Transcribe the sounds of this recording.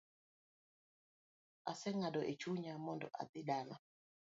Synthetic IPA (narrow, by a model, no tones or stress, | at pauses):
a̰sɛŋadɔʔet͡ʃuɲamɔndɔ̰ʔa̰d̪ɪdala